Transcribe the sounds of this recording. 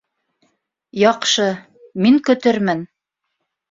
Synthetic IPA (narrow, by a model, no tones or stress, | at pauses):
jɑqʃɤ | miŋkɵ̆t̪ɘɾmɘn